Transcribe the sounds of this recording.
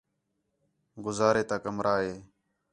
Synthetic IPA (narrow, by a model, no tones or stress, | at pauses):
ɡʊzaːɾeːt̪aːkəmɾaːɦeː